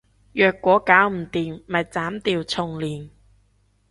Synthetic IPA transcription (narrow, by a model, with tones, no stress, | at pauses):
jœː˨˧kːʷɔː˨˥kaː˨˥wm̩˨˩t̪iː˨mmɐ˨jt͡saː˨˥mt̪iː˨˧wt͡sʰʊ˨ŋliː˨˩n